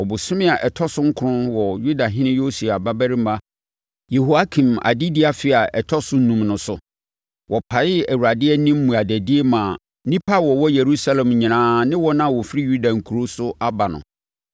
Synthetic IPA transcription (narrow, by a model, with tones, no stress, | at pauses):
ɔ˨bʊ˨sʊ̃˦mɪ̃˦a˨ʔɛ˨tʰɔ˦sʊ̃˦ŋ̩˦kʰʊ˦ʊ̃˦nwɔ˨ju˦da˨ɦɪ̃˦nɪ̃˦jo˦su˨a˨ba˦bæ˦ɾi˦m˦a˦ | je˨ɦo˨a˦kʰĩ˨ma̰˨dɪ˦dɪ˦a˨fɪ˦a˨ɛ˨tʰɔ˦sʊ˦nũ˨mnʊ̃˨sʊ˨ | wʔɔ˨pʰa˨jɪ˦æ˨wu˨ɾa˨dɪ˦ɛ˦nĩ˦m̩˦mũ˨a˨dæ˨di˦e˦mã˨˦ | nĩ˦pʰa˦wɔ˨wɔ˦je˨ɾu˦sa˦lɛ̃˨mɲĩ˨nãː˦nɪ̃˦wɔ˦nã˦˨wɔ˨fɾi˦ju˦da˨ŋ̩˨kʰu˨ɾo˦sʊ˦ʔa˦ba˨nʊ̰̃˨